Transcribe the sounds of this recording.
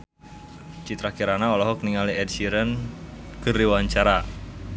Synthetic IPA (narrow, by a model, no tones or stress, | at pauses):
t͡ʃit̪ɾakiɾanaɔlɔɦɔkniŋaliɛd̚siɾənkəriwaɲt͡ʃaɾa